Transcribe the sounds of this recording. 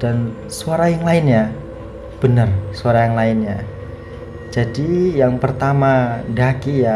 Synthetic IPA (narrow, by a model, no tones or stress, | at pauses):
d̥an | suaɾajaŋlaɪnɲa | b̥ənərsuaɾajaŋlaɪnja | d͡ʒadijaŋpərt̪amaɡakija